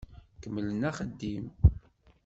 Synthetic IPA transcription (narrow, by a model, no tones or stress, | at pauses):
kəmːələnæχəd̪ːim